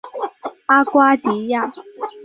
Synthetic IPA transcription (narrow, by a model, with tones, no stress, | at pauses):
a˦kwa˦t̪i˨˦ja˥˧˨